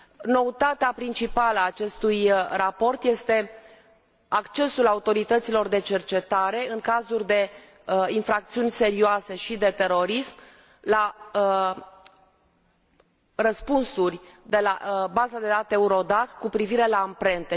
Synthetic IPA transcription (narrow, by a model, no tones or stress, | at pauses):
no̞ut̪at̪eapɾint͡ʃipaləːt͡ʃe̞st̪ujrapo̞rt̪je̞st̪e̞ | akt͡ʃe̞sulaut̪o̞ɾit̪ət̪silo̞rd̪e̞t͡ʃe̞rt͡ʃe̞t̪aɾe̞ɨŋkazurʲd̪e̞ | infɾak̚t̪siunʲse̞ɾioase̞ʃid̪e̞t̪e̞ɾo̞ɾism | la | rəspunsurʲd̪e̞labazad̪e̞d̪at̪e̞uɾo̞d̪akkːupɾiviɾe̞laːmpɾe̞nt̪e̞